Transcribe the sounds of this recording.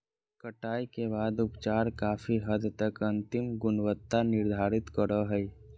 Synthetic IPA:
kəʈaːikebaːd̪ʊpt͡ʃaːɾkaːfʰiɦəd̪t̪əkɐ̃nt̪ɪmɡʊnwət̪ːanɪɾd̪ʱaːɾɪt̪kəɾəɦɛi

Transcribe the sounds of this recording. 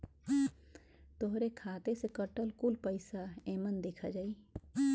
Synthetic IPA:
t̪oɦɾekʰaːt̪esekəʈəlkʊlpəɪsaeːmənd̪eːkʰa̰d͡ʒaːi

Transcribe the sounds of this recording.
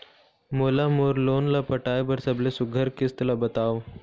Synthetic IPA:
molamoɾlonlapəʈajbəɾsəblesuɡʱəɾkist̪labət̪aʋ

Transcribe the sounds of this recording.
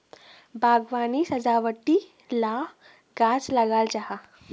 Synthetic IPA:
bʱaɡʋanisəd͡zaʋəʈːi | la | ɡad͡zləɡalt͡ɕaɦa

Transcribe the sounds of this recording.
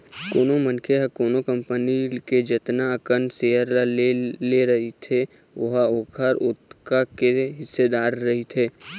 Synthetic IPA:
koːnomənkʰeɦəkoːnokə̃mpəniked͡ʒət̪nakənseːəɾlalleɾɐɦit̪ʰe | ʋɐɦaoːkʰəɾʊt̪kakeɦɪsːed̪aːɾːɐɦit̪ʰeː

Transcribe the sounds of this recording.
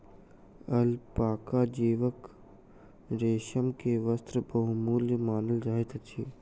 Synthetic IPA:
ɐlpaːkad͡ʒeːʋək | ɾeːʃəmkeʋəst̪ɾəbɐɦumuːljəmaːnəld͡ʒaːɦet̪ət͡ʃʰiː

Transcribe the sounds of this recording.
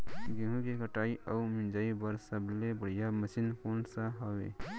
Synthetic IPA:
ɡeɦũkekəʈaːiʔɐumɪnd͡ʒaːibəɾsəblebəɽ̤ijaməsinkoːnsaɦawḛː

